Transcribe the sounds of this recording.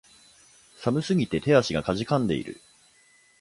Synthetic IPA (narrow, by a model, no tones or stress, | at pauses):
samɯ̟sɨɡʲit̪e̞t̪ʰe̞aɕiɡakaʑikãnd̪e̞̰ḭɾɯ̟̰